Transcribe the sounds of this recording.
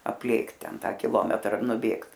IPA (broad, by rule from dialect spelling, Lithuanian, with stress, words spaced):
ɐpʲˈlʲeːkt ˈtʲɛn ˈtɑː kʲɪˈlˠoːmʲɛtrɐ nʊˈbʲeːkt